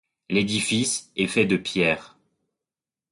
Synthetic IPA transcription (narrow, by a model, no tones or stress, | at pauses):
led̪ifisɛfɛd̪əpjɛːʁ